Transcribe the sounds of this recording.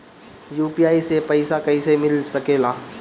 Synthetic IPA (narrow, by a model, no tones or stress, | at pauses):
juːpiaːisepəɪsakɐisemɪlsɐkeːlaː